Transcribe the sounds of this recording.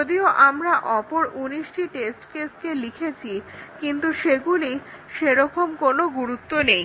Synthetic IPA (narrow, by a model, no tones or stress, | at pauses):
od̪ioʔamɾaʔɔpoɾuniʃʈiʈesʈkeskelikʰet͡ɕʰikint̪uʃeɡuliʃeɾɔkomkonoɡuɾut̪ːonej